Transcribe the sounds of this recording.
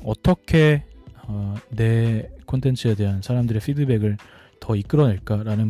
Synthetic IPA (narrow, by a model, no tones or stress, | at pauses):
ʌt͈ʌkʰe̞ʌne̞kʰontʰe̞nt͡ɕʰɯede̞ɦansʰaɾamdɯɾe̞pʰidɯbe̞ɡɯɭ | tʌik͈ɯɾʌneɭk͈aɾanɯn